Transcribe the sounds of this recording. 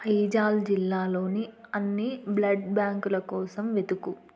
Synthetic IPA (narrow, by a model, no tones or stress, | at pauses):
ɐjd͡ʒaːld͡ʒilːaːlo̞ːniɐnːiblɐɖbjaːŋkulɐkɔːsɐmʋe̞d̪uku